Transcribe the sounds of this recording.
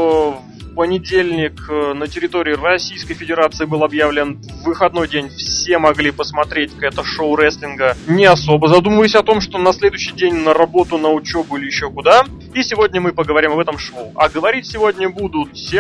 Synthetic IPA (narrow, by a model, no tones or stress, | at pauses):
f | pənʲɪdʲelʲnʲɪknətʲɪɾʲɪt̪o̞ɾʲɪʊrɐsʲijskəjfʲɪdʲɪɾat̪sɨɪbɨlˠɐbjavlʲɪnvːɨxɐd̪no̞jdʲenʲfsʲe̞mɐɡlʲipəsmɐt̪ɾʲetʲkɛt̪əʂoʊɾɛsʲlʲɪnɡənʲɪɐso̞bəzɐd̪uməvəjʊsʲɐt̪o̞mʂt̪o̞nɐsʲlʲe̞d̪ʊjɕːɪjdʲenʲnəɾɐbo̞t̪ʊnəʊt͡ɕo̞bʊilʲɪjɪɕːo̞kʊd̪a | isʲɪvo̞dʲnʲəmɨpəɡəvɐɾʲimɐbɛt̪əmʂoʊɐɡəvɐɾʲitʲsʲɪvo̞dʲnʲəbud̪ʊt̪fsʲe